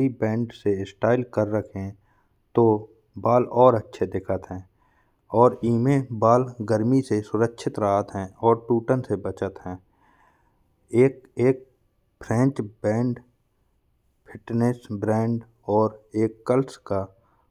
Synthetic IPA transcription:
ibɛ̃ːɳɖseɪsʈaːɪlkəɾːəkʰẽ | t̪o | baːlɔːɾətːʃʰed̪ɪkʰət̪ɦɛ̃ː | ɔːɾiːmẽbaːlɡəɾmisesʊɾəkʃʰɪt̪ɾaɦət̪ɦɛ̃ɔːɾʈuːʈənsebət͡ʃət̪ɦɛ̃ː | eːkeːk̚ | pʰɾɛ̃ːt͡ʃbɛ̃ːɳɖ | pʰɪʈnesbɾɛ̃ːɳɖ | ɔːɾeːkːəlska

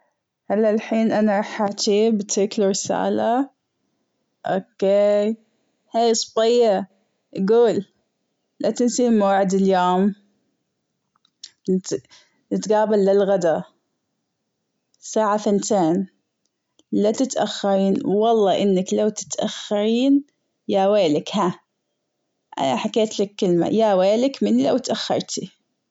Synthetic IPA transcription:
halːalħiːnʔanaɾˤɑħaːt͡ʃiːbt̪ʰɪkluɾɪsa̰ːla | ʔokeː | haːjsˤbɪjːɑ | ʔɡuːlː | at̪ɪnsimaːaʕɪd̪ɪljoːm | nɪt̪ɡaːbalːɪlɣad̪a | saːʕafɪnt̪eːn | lat̪ɪt̪ʔaxːɑɾiːnwɑlˤːɑːʔɪnːaklawt̪ɪ̥t̪ʔaxːɑɾiːn | jaweːlɪkha | ʔa̰naħakeːt̪lɪkːɪlma̰jaweːlɪkmɪnːilawt̪ʔaxːɑ̰ɾˤt̪i

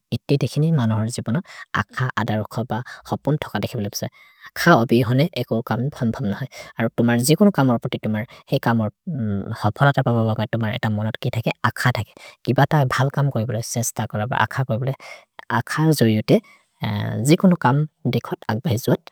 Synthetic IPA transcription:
itːidekʰinimanuɦɔɹzibɔnɔa̰kʰaʔa̰daɹɔkʰɔbaxɔpuntʰɔ̥kadekʰibɔlopḁsa | akʰaobiɦɔnɛʔɛkokambʰʱɔmbʱɔbnɔhɔjaɹutʊmaɹzikʊnʊkamɔɹpɹɔtitʊmaɹxejkamɔɹhɔpʰɔlatapabɔbakɔjtʊmaɹɛ̰tamɔnɔtkitʰakɛakʰatʰakɛ̥kibatabʱalkamkoɹibɔlojsɛstakɔɹaba̰ʔa̰kʰakoɹibɔloj | akʰaɹzoɹiɔtɛ | zikʊnʊkamdekʰɔta̰ɡ̚baɦizʊat̚

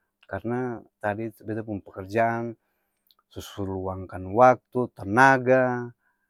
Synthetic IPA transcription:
karnat̪adit̪bɛt̪apunpakɛrd͡ʒaːn | susuɾluaŋkanwak̚t̪ut̪anaɡa

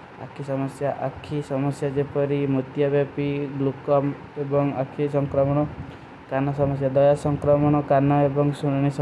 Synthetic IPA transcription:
a̰kʰisɔmɔsjaʔakʰisɔmɔsjad͡ʒepɔɾimut̪jabjapiɡlukɔm | ebɔŋakʰisɔŋkɾɔmɔɽ̃ɔ | kanɔsɔmɔsjad̪ɔjasɔŋkɾɔmɔɽ̃ɔkanɔebɔŋsunɽ̃is

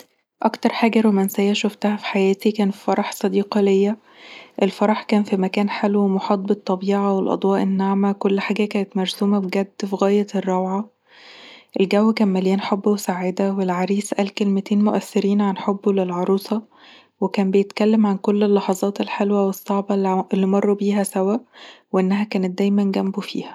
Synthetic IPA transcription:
ʔɑkt̪ɑɾˤħaːɡæɾomænsæjæʃoft̪æhæfi̥ħajæːt̪ikæːnfi̥fɑɾˤɑħsˤɑd̪iːqɑlejːæ | ʔelfɑɾˤɑħkæːnfimækæːnħelwemoħɑːd̪̚ˤbet̪ˤːɑbiːʕɑwelʔɑ̰d̪ˤwɑːʔenːaʕmækolːħaːɡækæːnet̪mæɾszuːmæbɡæd̪ːfiɣæːjærˤːɑwʕɑ | ʔelɡæwːækæːnmæljæːnħobːæwesaʕed̪æwelʕɑɾiːsʔælkelmet̪eːnmoʔæθːɪɾiːnʕanħobːulelʕɑɾˤuːsˤɑ | wekæːmbejet̪kælːæmʕankolːelːɑħɑzˤɑːt̪elħelwæwesˤːɑʕbɑelːimɑrˤːubiːɦæsæwæʔweʔenːæɦækæːnet̪̚d̪æːjmænɡæmbufḭːhæ̥

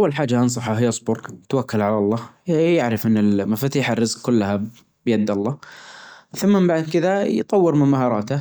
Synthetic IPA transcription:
ʔawːalħaːd͡ʒːaʔɑns̬ˤɑħaɦɪjːɑsˤbʊɾt̪awakːalʕalɑlˤːɑːjaʕɾɪfʔɪnːɪlmafaːt̪iːħarːɪzkkʊlːaha | b̥jad̪ːɑlˤːɑː | θamːambaʕd̪̚kɪðajt̪ˤɑwːɪɾmɪmmaɦɑːɾˤɑːt̪a

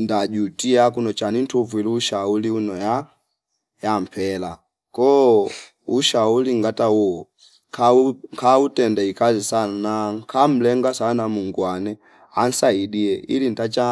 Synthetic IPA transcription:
ndad͡ʒutiakunɔt͡ʃanintuvuiluʃauliunɔja | jam̩pʰɛla | kɔ | uʃauliŋɡatawɔ | kʰakʰautɛndaikazisanakʰam̩lɛŋɡasanamuŋɡwanɛ | an̩saidiɛʔḭlin̩tat͡ʃa

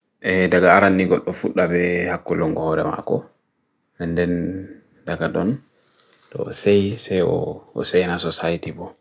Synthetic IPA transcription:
ʔɛdaɡaːɾanːiɡɔɗːɔfuɗːabɛhakːɔlɔŋɡɔhɔɾɛ̰ma̰kɔ | ɛndɛn | daɡadɔn | tɔ̰sɛjsɛjɔ̰ɔ̰sɛjnasɔsajitibɔ

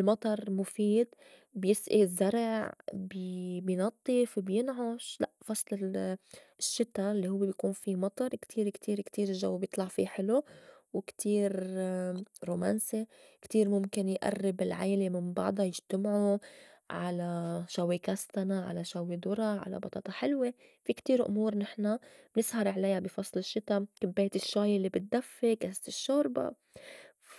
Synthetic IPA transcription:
lmɑt̪ˤɑɾˤmʊfiːd̪ | bjɪsʔizːaɾˤʕʕbbjnɑt̪ˤːɨfbjɪnʕʊʃlaʔfɑsˤlɪ | ʃːɪt̪ːalːihʊwːebjkuːnfimɑt̪ˤɑɾˤkt̪ʰiːɾkt̪ʰiːɾkt̪iːɾɪlʒawːebjɪt̪ˤlɑʕfiħɪluwkt̪ʰiːɾ | ɾumansekt̪iːɾmʊmkɪnjʔa̰rːɪbɪlʕaːlemɪnbɑ̰ʕd̪ˤɑjɪʒt̪amʕu | ʕalaʃawikast̪anaʕa̰laʃawed̪ʊɾˤɑʕa̰la̰bɑt̪ɑːt̪ˤɑħɪlwe | fikt̪iːɾʔʊ̰muːɾnɪħnabnɪshɑɾˤʕlajabɪfɑsˤlɪʃːɪt̪amkɪbːeːt̪ɪʃːaːjɪlːibɪt̪̚d̪afːekast̪ɪʃːoːɾba̰

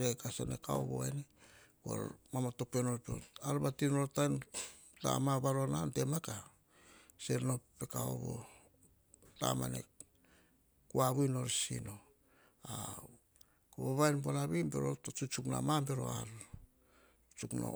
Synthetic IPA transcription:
ɾekasanekao̰βo̞̰eneko̰ɾmamato̞penoɾpo̰naɾβatinoɾtajn | ta̰mabaɾonante̞maka | seɾnope̞kaoβo̰ | ta̰ma̰nḛ | kuaβujno̞ɾsḭno̞ | a | koβoβajnbonaβibeɾotot͡ʃut͡ʃukna̰mambe̞ɾo̞̰aɾ | t͡ʃukno̰

